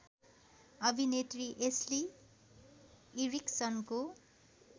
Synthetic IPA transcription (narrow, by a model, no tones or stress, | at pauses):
ʌbʱinet̪riʔesli | ɾiksʌnko